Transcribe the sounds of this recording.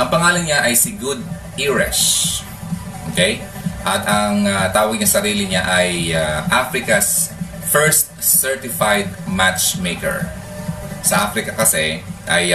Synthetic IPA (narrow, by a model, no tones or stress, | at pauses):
ʔɐŋpɐŋaːlɐnɲaʔɐjsɪɡʊd̪̚ | ʔiɹɛʃ | ʔʔokɛj | ʔɐt̪ɐŋat̪aːwɐɡ̚ɲɐsɐɾiːlɪɲaʔɐjaʔafɾɪkɐs | fɛɹst̪̚sɛɹt̪ɪfajd̪̚mat͡ʃmejkɛ̰ɹ | sɐʔafɾɪkɐkɐsɛ̰ʔɐ̰j